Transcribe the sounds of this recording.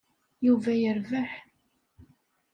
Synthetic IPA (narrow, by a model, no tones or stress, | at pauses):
juvæjəɾvəħ